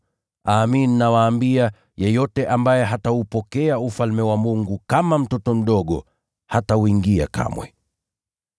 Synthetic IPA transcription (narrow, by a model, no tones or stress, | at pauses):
aːminnawaːmbia | jɛjɔtɛʔambajɛɦatahupɔkɛaufalmɛwamuŋɡukamam̩tɔtɔm̩ɗɔɠɔ | hatauiŋɡia̰kʰa̰mwɛ̰